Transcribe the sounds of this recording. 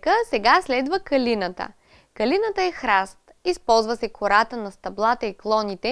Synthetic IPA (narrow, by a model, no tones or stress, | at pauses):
kəsɛɡaslɛd̪vəkɐlinət̪ə̰ | kɐlinət̪əɛxɾast̪ispɔlˠzvəsɛkʰoɾat̪ənɐst̪ɐblˠat̪əiklˠɔnit̪ɛ